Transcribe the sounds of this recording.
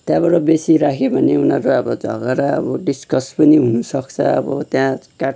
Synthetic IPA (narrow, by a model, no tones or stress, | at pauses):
t̪jãbʌɽʌbesiɾakʰebʱʌneunʌɾoʌbʌd͡zʱʌ̰ɡaɾaʌ̰bʌɖiskʌspʌniɦunusʌkt͡sʰʌ̰ʌ̰bʌ̰t̪jãkaʈ